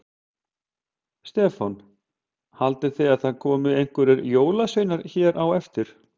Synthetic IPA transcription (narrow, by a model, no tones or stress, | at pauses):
st̪ɛːfɔn | halt̪ɪθɪaðθaðkʰɔːmʏejŋ̥kvɛɾɪɾjoːwlasœːjnaɾ̥çɛːɾʔawɛft̪ɪɾ̥